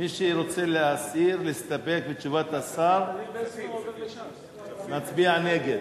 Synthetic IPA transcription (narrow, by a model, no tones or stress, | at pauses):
miʃeɾo̞t͡seleasiɾlest̪ape̞k̚bet͡ʃuvat̪asaɾ | nat͡sbianeɡed̪